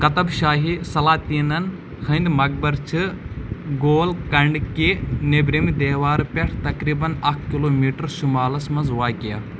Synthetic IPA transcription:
kɐt̪ɐbʃaːɦisɐlaːt̪iːnɐn | hʰɐnd̪mɐɡ̚bɐɾt͡ʃʰɨ | ɡoːlkɐɳɖkenebɾimid̪eːʋaːɾpʲeʈʰt̪ɐkɾiːbɐnɐkʰkiloːmiːʈɐɾʃumaːlɐsmɐnzʋaːkijaː

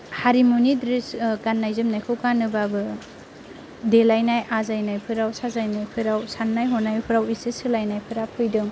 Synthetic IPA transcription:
haɾimunidɾiskanːajzɯmnajkʰɯwkanɯbabɯ | delajnajʔazajnajpʰɯɾawsazajnajpʰɯɾawsanːajɦɔnajpʰɯɾawisɯsɯlajnajpʰɯɾapʰɯjdɯŋ

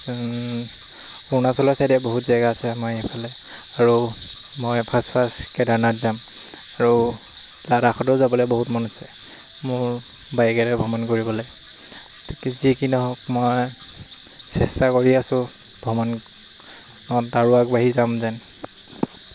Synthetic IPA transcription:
unasɔlɔsajdɛboɦutzaɡasɛamajipʰalɛ | aɹumɔjpʰaspʰaskɛdaɹnatzam | aɹu | ladaxʰɔtɔzabɔlɔjbɔɦutmɔnɔsɛ | mʊɹ | bajɡɛɹɛbʱɔmɔnkoɹibɔlɔj | tkzikinɔɦɔkmɔj | sɛstakoɹiasʊ̃ | bʱɔmɔn | nɔdaɹuak̚baɦizamzɛn

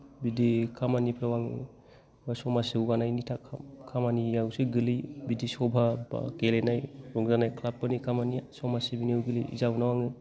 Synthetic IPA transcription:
bidikʰamanipʰɾawaŋɯ̰ | asɔmasewɡanajnitʰakʰkʰamaniawseɡɯlibidisɔbʱab̰kelenajɾɔŋzanajkʰlap̚kɯnikʰamanijasɔmasebiniwɡɯlḭḭzawnawaŋɯ

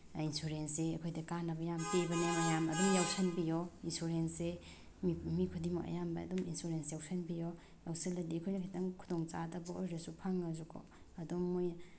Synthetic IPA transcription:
insuɾenseɐkʰojdɐkanɐbɐjamtebɐnanɐjamɐdumjawsʰɐnbijɔinsuɾense | mmikʰudimoʔɐ̰jambɐɐ̰duminsuɾensjawsʰɐnbijo | jawselɐdikʰojnɐkʰitʰɐŋkʰu̥doŋt͡ʃadɐbɐojɾɐsupʰaŋːɐzukʰo̰ | ɐdumːoj

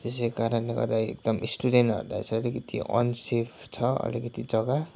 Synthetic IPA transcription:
t̪es̬ekaɾʌnleɡʌ̰rd̪aḛk̚d̪ʌmʔisʈudenʈʌ̰ɾula̰jt͡sʰʌːlikʌt̪ḭʔʌ̰nsepʰt͡sʰʌʌ̰likʌt̪id͡zʌɡa

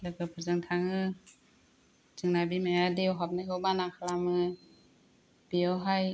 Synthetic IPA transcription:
lɯkɯpʰɯzɯŋtʰaŋɯ | d͡ʒɯŋnabimajadewɦap̚najɡɯwbanakʰalamɯ | b̥iɔwɦaj

